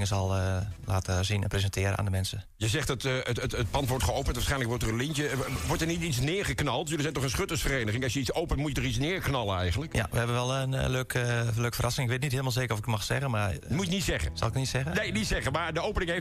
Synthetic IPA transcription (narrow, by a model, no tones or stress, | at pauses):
ŋəsɔlˠəlaːtəzinɛ̰nprezəntʰɪːəɾə̰na̰ːndəmɛnsə | jəzɛxtətəəət̚pɑntʋɔɹtχəowpəntʋaːsχɛjnləkʋɔɹtərənlintəʋɔɹtəɹnitit͡snɪːɹχəknɑlˠtjølizɛjtɔχənsχøtəsfəreːnəχɪŋɑsjəitt͡ssowpəntmutətɔχit͡snɪːɹknɑlˠəɛ̰jχənləkja̰ʋəhɛbənʋɛlˠənløːkəløːkfərʔasɪŋɪkʋɪt̬nitɦɪːəlˠmalˠzeːkərɔfɪkəmaxsɛ̰ɣənmarmuɪnitsɛɣəsɔ̰lˠɪkənitsɛɣənejnitsɛɣəmaɹdəowpənɪŋef